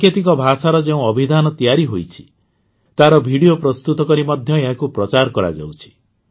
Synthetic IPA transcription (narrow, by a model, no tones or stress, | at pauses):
et̪ik̬ɔbʱasaɾɔd͡ʒeũɔbʱid̪anɔt̪ijaɾiɦojt͡ʃʰi̥ | t̪aɾɔbʱiɽijopɾɔst̪ut̪ɔkɔɾimɔd̪ʱjɔeɦakupɾɔt͡ʃaɾkɔɾa̰d͡ʒa̰wt͡ʃʰi̥